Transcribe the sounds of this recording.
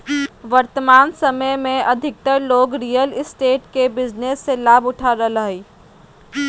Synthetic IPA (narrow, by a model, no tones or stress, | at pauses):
ʋɐɾt̪əmaːnsɐməjmẽʔɐd̪ʱɪk̚t̪əɾloːɡɾiːjəlɪsʈeːʈkebɪznesːelaːbʊʈʰaːɾələɦiː